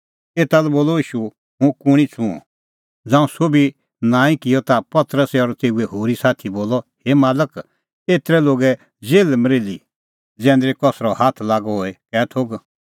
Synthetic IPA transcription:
eːt̪alɛboːlɔiːʃu | ɦʊ̃kʊɽ̃it͡sʰṵ̃ | d͡zãːũsobi | nãːĩkɪjɔt̪apɐt̪ɾəsɛɔɾt̪eːuɛɦoːɾisaːt̪ʰiboːlɔhemaːlək | eːt̪ɾɛloːɡɛ | d͡zeːlmɾeːli | d͡zɛ̃ːnd̪ɾekɔsɾɔhaːt̪ʰlaːɡɔɦoːekɛːt̪ʰoːɡ

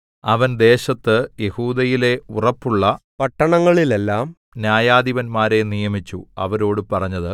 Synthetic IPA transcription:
ɐʋɐnd̪e̞ːɕɐt̪ːɨje̞huːd̪ɐjile̞urɐpːuɭːɐpɐʈːɐɳɐŋːɐɭilelːaːm | njaːjaːd̪iʋɐnmaːɾe̞nijɐmit͡ɕːuɐ̰ʋɐɾo̞ːɽɨpɐrɐɲːɐðɨ

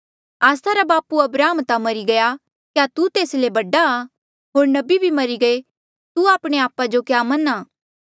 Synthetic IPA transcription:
aːsaɾabaːpuɐbɾaːəmt̪amɐɾiɡɐja | kjat̪ut̪eːslebɐɖa | ɦoːɾnɐbibʱimɐɾiɡɐe | t̪uaːpɽ̃eaːpad͡ʒokjaːmɐnaː

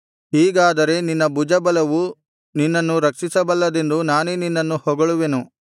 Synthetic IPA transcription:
ɦiːɡaːd̪ɐɾe̞ninːɐbud͡ʒɐbɐlɐʋu | ninːɐnːuɾɐkʂisɐbɐlːɐd̪e̞nd̪unaːneninːɐnːuhɔɡɐɭuʋe̞nu

